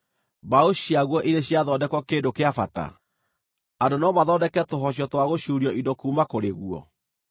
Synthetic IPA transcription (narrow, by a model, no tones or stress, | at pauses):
baoɕiaɣwɔʔiɾeɕiaðɔdɛkɔkeːdokeafata̰ | adonaɔmaðɔdɛkɛtoɦɔɕ̬ɔtwaɣoɕuːɾiɔʔidɔkuːmakoɾeɣuɔ̰